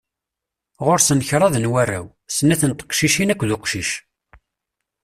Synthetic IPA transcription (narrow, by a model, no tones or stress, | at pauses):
ʁoɾsənçɾˤɑðnwærːæ̰w | sənːæθənt̪ə̥qʃiʃinækʷːðʊqʃiʃ